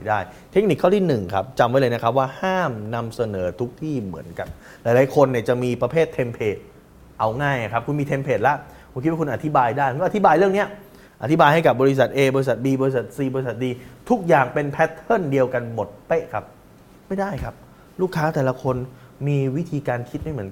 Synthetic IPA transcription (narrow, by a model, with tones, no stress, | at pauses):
jdaː˥˩j | t̪ʰe˦˥k̚ni˨˩kʰːa˥˩t̪ʰiː˥˩nɯ˨˩ŋkʰa̰˦˥p̚t͡ɕa˧mwa˦˥jlaː˧na˦˥kʰa˦˥p̚waː˥˩haː˥˩mna˧msa˧nɤː˩˦t̪ʰu˦˥k̚t̪ʰiː˥˩mɯ˩˦ənka˧n | laː˨˦jlaː˨˦jkʰo˧nːi˥˩ət͡ɕa˨˩ʔmiː˧pɾa˧pʰeː˥˩t̪ʰːe˧mpʰeː˨˩t̪̚ | ʔa˧wŋaː˥˩jna˨˩kʰp̚ku˧nmiː˧t̪ʰe˧mpʰeː˨˩t̪̚la˦˥ʔʰ | u˧˩kʰi˦˥wa˥kʰu˧nʔa˨˩t̪ʰi˦˥baː˧jdaː˥˩jk̪ːʰi˦˥baː˧jɾɯ˥˩əŋni˦˥ɐ | a˨˩t̪ʰi˦˥baː˧jha˥˩jka˨˩p̚bɔː˧ɾi˦˥sa˨˩t̪̚ʔeː˧bɔː˧ɾi˥s̬a˨˩t̪̚diː˧bɔː˧i˥sa˨˩t̪̚siː˧bɔː˧i˥sa˨˩t̪̚diː˧t̪ʰu˦˥k̚jaː˨˩ŋpe˧npʰɛ˦˥t̪ʰːɤ˥˩ndi˧əwka˧nmo˨˩t̪̚pe˦˥ʔkʰa˦˥p̚ | ma˥˩jdaː˥˩jkʰa˦˥p̚ | luː˥˩kʰːaː˦˥t̪ɛː˨˩la˧kʰo˧n | miː˧wi˦˥t̪ʰiː˧kaː˧nkʰi˦˥t̪̚ma˥˩jmɯ˩˦n